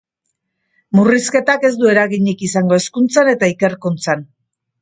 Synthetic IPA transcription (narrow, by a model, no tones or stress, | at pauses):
muriske̞t̪ake̞zd̪ue̞ɾaɣiɲikisaŋɡo̞e̞skunt͡sane̞t̪aike̞ɾkunt͡san